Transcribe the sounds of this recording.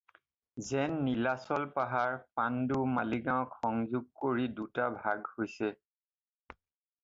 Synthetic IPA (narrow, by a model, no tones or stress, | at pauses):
zɛnːilasɔlpaɦaɹpandumaliɡãɔkxɔŋzuɡ̚koɹidutabʱaɡhojsɛ